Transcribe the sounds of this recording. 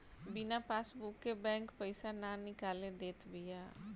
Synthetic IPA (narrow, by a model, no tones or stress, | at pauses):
bɪnapaːsbukːebɛ̃ːŋkpəɪsananɪkaːled̪eːt̪bijaː